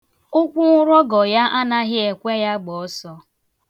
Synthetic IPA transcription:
ʊ˦kʷʊ˦ŋʷʊ˦ɾɔ˦ɡɔ˨ja˦ʔa˦na˦ɣɪ˦e˨kʷe˦ja˦ɡ͡bɔ˨ɔ˦sɔ˦

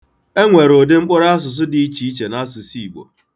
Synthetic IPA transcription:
e˦ŋʷe˨ɾo˨dɪ˦ŋ͡m̩˦k͡pʊ˦ɾa˦s̬ʊ˨s̬ʊ˦di˨i˦t͡ʃi˨i˦t͡ʃe˨na˦sʊ˨si˦˨ɡ͡bo̰˨

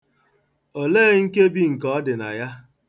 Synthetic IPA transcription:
o˨leː˦ŋ̩˦ke˦bi˦ŋ̩˨kɔ˦dɪ˨na̰˨ja˦

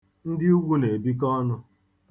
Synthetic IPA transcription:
n̩˦dɪ˦u˦ɡʷu˦ne˨bi˦k̬ɔ˦nʊ˦

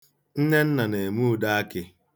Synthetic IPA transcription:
n̩˦ne˦n̩˦na˨ne˨mu˦ʊ˨da˦a˦kɪ˦

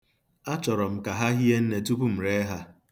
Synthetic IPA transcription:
a˦t͡ʃɔ˨ɾɔ˨m̩˨ka˨ɦa˦ɦi˦e˦n̩˦ne˨tu˦pu˦m̩˨ɾe˦ɦa˦

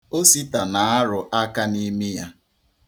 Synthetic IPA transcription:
o˦si˦ta˨na˨a˦ɾʊ˨ʔa˦ka˦ni˦mi˦ja˦

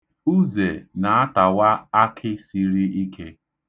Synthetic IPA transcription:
u˦ze˨na˨a˦ta˨wa˦a˦kʰɪ˦si˦ɾi˦i˦kʰe˦

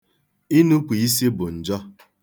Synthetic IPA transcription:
i˦nu˦kʷi˨i˦si˦bʊ˨n̩˨d͡ʒɔ˦

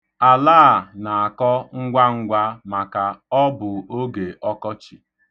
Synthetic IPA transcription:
a˨laː˦˨na˨a˨kɔ˦ŋ̩˦ɡʷa˦ŋ̩˦ɡʷa˦ma˨ka˨ɔ˦bʊ˨o˦ɡe˨ʔɔ˦kɔ˦t͡ʃi˨

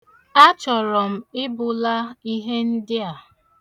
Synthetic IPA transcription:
a˦t͡ʃɔ˨ɾɔ˨m̩˨ɪ˦bʊ˨la˦i˦ɦe˦n̩˦dɪ˦a˨

